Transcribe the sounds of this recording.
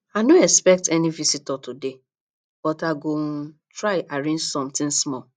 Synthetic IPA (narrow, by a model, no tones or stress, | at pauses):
anoɛspɛk̚tɛnĩvisitɔtude | b̥ɔtaɡo | tɹaɪʔaɹẽd͡ʒsɔ̃mtĩnsmɔ